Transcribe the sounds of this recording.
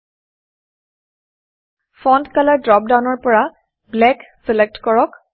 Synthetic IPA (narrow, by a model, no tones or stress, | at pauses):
fɔndkaladɹɔp̚dawnɔɹpɔɹa | blɛksɛlek̚tkɔɹɔk